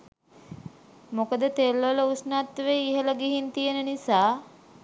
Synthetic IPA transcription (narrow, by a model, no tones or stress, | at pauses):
mokəd̪ət̪elːʋələusnat̪ːʋeiɦələɡiɦint̪ijənənisaː